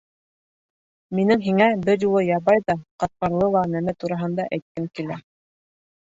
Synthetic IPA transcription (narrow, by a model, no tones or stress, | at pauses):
minɘŋɦiŋæbɘɾjulˠɤjɑβɑjðɑqɑt̪̚qɑɾlˠɤlˠɑnæmæt̪uɾɑɦɤ̆nd̪ɑʔæjt̪̚kæŋkilæ